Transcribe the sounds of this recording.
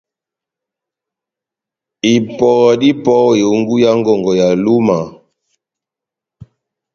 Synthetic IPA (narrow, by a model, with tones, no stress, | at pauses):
i˨pɔ˨di˦pɔ˦˨jo˨˦ŋɡu˦ja˦ŋɡɔ˨ŋɡɔ˨ja˨lu˦ma˨